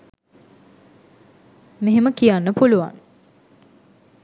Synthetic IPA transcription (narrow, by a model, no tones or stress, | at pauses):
meɦeməkijanːəpuluʋa̰ŋ